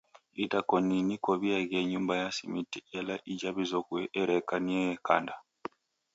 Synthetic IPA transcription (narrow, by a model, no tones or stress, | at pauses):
itakoninikoβiaɣeɲuːmbajasimitielaʔiɟaβizokweʔːɾekaniejekanda